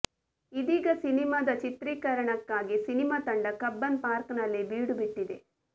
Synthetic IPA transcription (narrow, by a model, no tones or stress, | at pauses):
id̪iːɡɐsinimaːd̪ɐt͡ʃit̪ɾiːkɐɾɐɳɐkːaːɡisinimaːt̪ɐɳɖɐkɐbːɐnpaːɾknɐlːibiːɽubiʈːid̪e̞